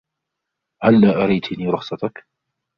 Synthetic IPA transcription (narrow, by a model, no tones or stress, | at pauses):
halːaːʔaɾajt̪niːɾˤʊχsˤɑt̪ak